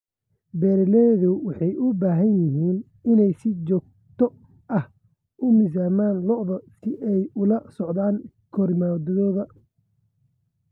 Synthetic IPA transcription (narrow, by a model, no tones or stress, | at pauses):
bɛːɾlɛðʊwɑħɑjʔʊbaːɦɐnjɪɦiːn | ɪnɛjsɪt͡ʃɔːɡ̚ | t̪ʰɔ | ʔɐh | ʔʊmɪs̬aːmaːnlɔʔðɔsɪʔɛjʊlɐsɔʕd̪aːŋ | kʰɔrmaːwd̪ɐðɔːðɐ